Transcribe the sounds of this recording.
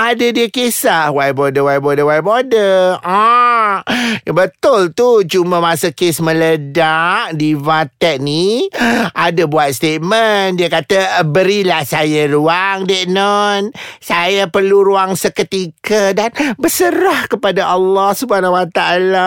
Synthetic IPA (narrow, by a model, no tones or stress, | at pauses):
adadiəkesahwajbodəwajbodəwajbodəa | bət̪ʊlt̪ut͡ʃumamãsəkesmə̃lədaʔdivat̪ɛʔ̪̚ni | ʔadabuat̪̚st̪et̪̚məndiəkat̪abəɾilahsajaɾuaŋdɛʔ̚nɔnsajapərluɾuaŋsəkət̪ikədanbəsəɾahkəpadaʔalːɔhsubəhanawat̪aala